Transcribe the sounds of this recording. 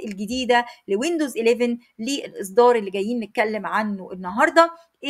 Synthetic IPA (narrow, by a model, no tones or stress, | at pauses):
ʔelɡed̪iːd̪ælewend̪ozʔeleven | leʔelʔes̬ˤd̪ɑːɾˤʔelːiɡæjːiːnːet̪̚kælːemʕanːoʔenːɑɦɑɾˤd̪ˤɑ | ʔe